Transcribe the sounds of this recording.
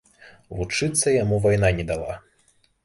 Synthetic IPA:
vut͡ʂɨt̪sːɐjamuvajn̪anʲɛd̪alˠa̰

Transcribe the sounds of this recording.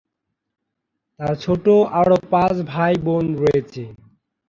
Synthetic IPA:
t̪aɾt͡ɕʰoʈoʔaɽopãt͡ɕbʱajbonɾojet͡ɕʰe

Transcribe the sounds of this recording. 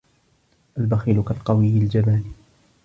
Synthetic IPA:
ʔalbaxiːlʊkalqɑwɪjːɪld͡ʒamaːni

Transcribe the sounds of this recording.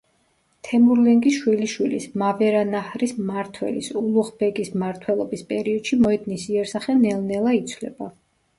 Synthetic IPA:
t̪ʰɛmuɾlɛŋɡisʃwiliʃwilismavɛɾanahɾismaɾt̪ʰwɛ̰lḭsulˠuχbɛkʼismaɾt̪ʰwɛlˠɔbispʼɛɾiɔd̪̥ʃimɔɛd̪nisiɛɾsaχɛnɛlnɛlˠait̪sʰwlɛ̰ba

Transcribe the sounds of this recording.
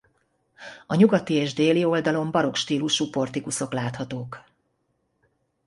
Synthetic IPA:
ɒɲuɡɒt̪ieːʒd̪eːlio̞ld̪ɒlo̞mbɒɾo̞kʃt̪iːluʃupo̞rt̪ikuso̞klaːt̪hɒt̪oːk

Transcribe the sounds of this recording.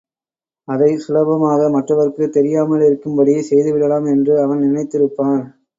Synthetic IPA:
ɐðɐɪsʊlɐbɐmaːɣɐmɐʈrɐʋɐɾɯkːɯt̪ɛɾɪjaːmɐlɪɾɯkːɯmbɐɽisɛjðɯʋɪɽɐlaːmɛndrɯɐʋɐnnɪnɐɪt̪ːɪɾɯpːaːn

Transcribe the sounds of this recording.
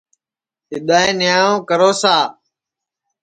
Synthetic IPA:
ɦɪɗ̪aːẽːnɪjaːõːkəɾoːsaː

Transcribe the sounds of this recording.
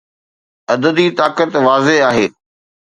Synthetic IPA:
ɐd̪əd̪it̪aːkət̪ʋaːzeɦaːɦeː

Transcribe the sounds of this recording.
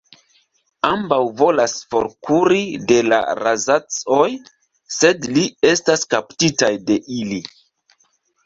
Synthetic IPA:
ambawvo̞lasfo̞̰ɾkuɾide̞la̰ɾazat͡soj | se̞dlie̞staskaptitajde̞ʔili

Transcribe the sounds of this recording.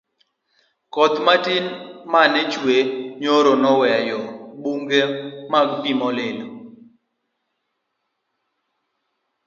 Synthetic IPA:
kɔt̪matinmanɛt͡ʃweɲoɾonɔwɛjɔbuŋɡemaɡpimɔlelo

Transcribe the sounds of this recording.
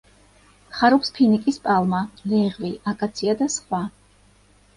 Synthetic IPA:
χaɾupspʰinikʼispʼalˠmalɛʁviakʼat̪sʰiad̪asχwa

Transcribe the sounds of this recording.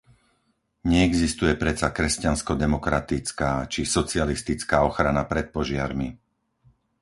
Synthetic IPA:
ɲɛɛɡzist̪ujɛpɾɛt͡sakɾɛscanskɔd̪ɛmɔkɾat̪it͡skaːt͡ʃisɔt͡sɪalist̪it͡skaːɔxɾanapɾɛt̪̚pɔʒɪaɾmi

